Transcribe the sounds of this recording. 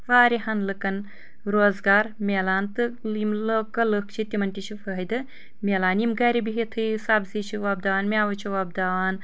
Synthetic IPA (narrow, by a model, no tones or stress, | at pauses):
ʋaːɾiɦɐnlɨkɐn | ɾoːzɡaːɾmʲeːlaːnt̪ɨlimləkɐlək̚ʰt͡ʃʰit̪ʲimɐnʲʈit͡ʃʰifɐɦd̪ɨ | mʲeːlaːnimɡɐɾibiɦit̪ʰɨjsaːbziːt͡ʃʰiʋɐːb̚d̪aaːnmʲaːʋɐt͡ʃʰiʋɐb̚d̪aaːn